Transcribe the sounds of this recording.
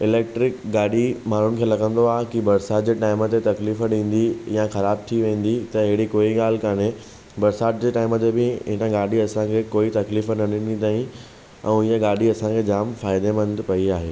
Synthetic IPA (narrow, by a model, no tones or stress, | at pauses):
ɪleːk̚ʈɾɪkɡaːɗimaːn̤ʊnɪkʰẽːlɐɡə̃nd̪oaːɦkibɐɾsaːt̪̚d͡ʑeːʈaːɪmət̪et̪ɐkliːfɗĩːn̆d̪ijaxɐɾaːb̚t̪ʰiʋẽːn̆d̪it̪ɐɪɦɪɽikoːiɠaːl̤ɪkaːne | bɐɾsaːt̪̚d͡ʑeːʈaːɪmət̪ebɪɪ̃ʈ̪ãɡaːɗiɐsãkʰekoːit̪ɐkliːfənɐɗĩnit̪aːĩ | ɛ̰̃ijəɡaːɖiɐsãkʰed͡ʑaːmfaːɪd̪emɐ̃nd̪pɐiaːɦeː